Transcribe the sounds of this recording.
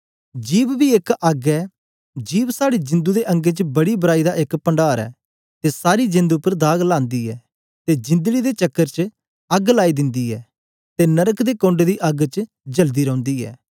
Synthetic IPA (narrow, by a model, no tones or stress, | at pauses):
d͡ʒiːbbiekɐɡɛː | d͡ʒiːbsaːɽed͡ʒɪ̃nd̪ud̪eʔɐ̃ŋɡet͡ʃəbɐɽibəɾaːid̪aʔɪkpə̃ɳɖaːɾɛ̰ː | t̪esaːɾid͡ʒɪ̃nd̪uʊpːəɾd̪aːɡlãːnd̪iːɛː | t̪ed͡ʒɪ̃nd̪əɽid̪et͡ʃɐkːəɾt͡ʃ | ɐɡlaːid̪ɪ̃nd̪iːɛː | t̪enɐɾəkd̪eːkõːɳɖd̪iʔɐɡt͡ʃə | d͡ʒəld̪iːɾɐ̃ʊ̃nd̪iːɛ̰ː